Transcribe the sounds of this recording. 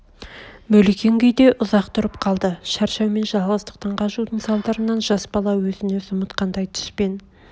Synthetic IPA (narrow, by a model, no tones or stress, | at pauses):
mɵlekʲe̞ŋɡʲejd̪e̞ʔʊzɑqt̪ʰʊɾəp̚qʰɑlˠd̪əʃæɾʃɑwme̞nʒɑlˠʁəzt̪ə̥q̚t̪ɑɴqʰɑʃud̪əɴsɑlˠd̪ɑɾənɑnʒɑsbɑlˠɑwɵzɪne̞sʊmət̪qɑnd̪ɑjt̪ʰɪ̥ʃpe̞n